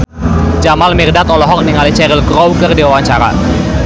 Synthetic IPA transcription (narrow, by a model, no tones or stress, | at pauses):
d͡ʒamalmirdat̪ɔlɔɦɔk̚niŋalit͡ʃɛɾilkɾowɡərdiwawaɲt͡ʃaɾa̰